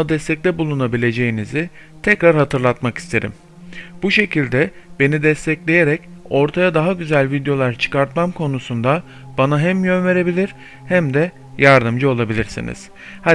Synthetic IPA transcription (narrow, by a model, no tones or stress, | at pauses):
ad̪ɛst̪ʰɛc̚lʲɛbulˠunabilʲe̞d͡ʒe̞jinizi | t̪ʰɛcɾaɾɦat̪ʰɯɾlˠat̪maki̥st̪ʰe̞ɾḭm | b̥uʃe̞cʰilʲd̪ɛ | b̥e̞nid̪ɛst̪ʰɛclʲe̞je̞ɾɛco̞ɾt̪ʰajad̪aɦaɟyzælʲvid̪jo̞lˠaɾt͡ʃʰɯ̥kaɾt̪mamkʰo̞nusund̪a | b̥anaɦæmjønve̞ɾe̞bilʲiɾ̥ | hæmd̪ɛ | jaɾd̪ɯmd͡ʒɯo̞lˠabilʲiɾsḭnḭz̥ | ha